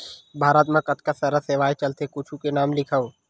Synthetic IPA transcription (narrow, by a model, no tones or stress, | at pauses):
bʱaːɾət̪mẽkɐt̪kasɐɾəseːʋaːet͡ʃɐlt̪ekʊt͡ʃʰũkenaːmlɪkʰəo